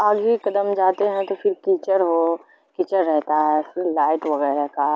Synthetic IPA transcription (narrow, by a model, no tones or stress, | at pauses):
aːd͡ʒbʱikɐd̪əmd͡ʒaːt̪eɦɛ̃t̪ofɪɾkiːt͡ʃəɾɦo | kiːt͡ʃəɾːɛɦt̪aɦɛfɪɾlaːɪʈʋɐɣɛːɾaka